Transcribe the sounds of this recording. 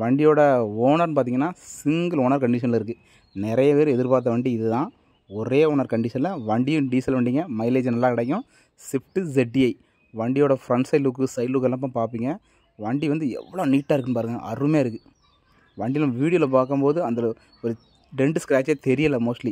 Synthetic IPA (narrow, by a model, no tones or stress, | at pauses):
ʋɐɳɖɪjoːɽɐoːnɐɾnp̬aːɾt̪iːŋɐnːaːsɪŋɡɐlɔːnɐɾkɐɳɖɪʂɐnlɐɪɾɯkːɯ | nɪɾɐjɐpeːɾɯ̃ɛðɪɾpaːɾt̪̬ːɐʋɐɳɖiɪðɯt̪ãː | ɔɾeːoːnɐɾkɐɳɖɪʂɐnlɐʋɐɳɖɪjɯ̃ɖiːsɐlʋɐːɳɖiːŋɡɐmɐɪleːd͡ʒnɐlːaːkɪɽɛkːʊ̃ | sɪfʈɯd͡ʒɛɖːiɐɪ | ʋɐɳɖɪjoːɽɐfɾɐɳɖsɐɪluːkːɯsɐɪluːkːɛlːɐp̬ːãːpaːɾpiːŋɡɐ | ʋɐɳɖiʋɐnd̪ɯɛ̰ʋːɐɭoːniːʈːaːɪɾɯkːɯnːɯp̬aːɾɯŋɡɐ̰ʔɐ̰rːɯmeːɪɾɯkːɯ | ʋɐɳɖɪlɐ̃ːʋiːɽɪjolɐp̬aːkɯmpoːðɯɐnd̪ɐ | ɔɾɯ | ɖɛnɖskɪɾaːt͡ʃːeːt̪ɛɾɪjɐlːɐmoːsʈli